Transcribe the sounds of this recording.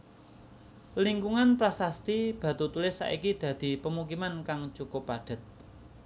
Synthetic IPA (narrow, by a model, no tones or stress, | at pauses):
liŋkuŋanpɾasast̪ib̥ä̤t̪ut̪ulɪsːa̰ʔikid̪̥ä̤d̪̥i̤pəmuk̬imankaŋt͡ʃukʊpaɖ̥ə̤t̪̚